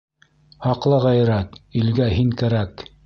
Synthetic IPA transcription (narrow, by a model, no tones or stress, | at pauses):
hɑqlˠɤʁæjɾæt̪ilɡæɦiŋkæɾæk